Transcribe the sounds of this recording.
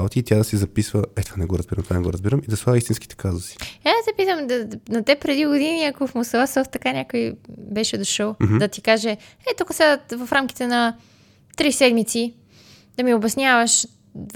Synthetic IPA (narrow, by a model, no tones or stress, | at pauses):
bot̪iːt̪jad̪ɐsizɐpisvəɛt̪o̥vanɛɡoɾɐzbiɾɐmt̪ovanɛɡoɾəzbiɾəmid̪ɐsvˠavist̪inski̥t̪ɛ̥kazusi̥ɛasɛpit̪əmnot̪ɛpɾɛd̪iɡod̪iniɐkofmosəvasɔft̪ːɐkanʲakojbɛʃɛd̪oʃəlˠm̩d̪ɐt̪ikaʒɛ | ɛt̪ukəsat̪vɐfɾamk̟i̥t̪ɛnɐ | t̪ɾisɛd̪mit̪si | d̪ɐmiobɛsnʲavəʃ